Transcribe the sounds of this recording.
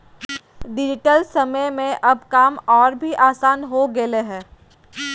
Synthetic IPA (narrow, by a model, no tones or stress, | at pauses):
ɖɪd͡ʒɪʈəlsɐməjmẽʔɐbkaːmɔːɾbʱiʔaːsaːnɦoɡeleɦɛ̃ː